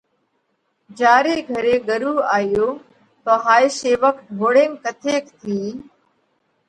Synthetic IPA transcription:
d͡ʒaːɾeːɡʱəɾeːɡəɾuːaːjoː | t̪oːɦaːiseːʋək̚t̪ɡʱoːɽẽːnkət̪ʰeːkt̪ʰiː

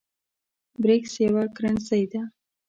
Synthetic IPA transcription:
bɾeksjawakɾansajd̪a

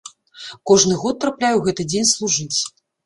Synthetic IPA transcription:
kɔʐnɨɣɔt̪̚ːɾaplʲajuwɣɛt̪ɨd͡zʲenʲslˠuʐɨt͡sʲ

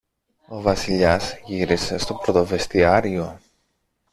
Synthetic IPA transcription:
o̞vɐsiʎɐzʝiɾise̞st̪o̞pɾo̞t̪o̞ve̞st̪iɐɾio̞

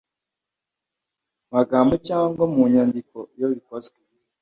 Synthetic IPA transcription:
maɡaːmbocaːŋɡwamuɲandikojoβikozɡe

